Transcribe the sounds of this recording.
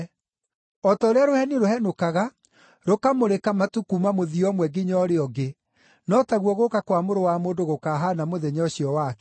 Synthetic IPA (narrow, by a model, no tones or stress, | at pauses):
ɔtaoɾeaɾohɛniɾohɛnokaɣa | ɾokamoɾekamatukumamoðiɔmwɛɡiɲɔɾeɔɡe | nɔtaɣwɔɣokakwamoɾowamoːndoɣokaːɦanamoðɛɲɔɕiɔwakɛ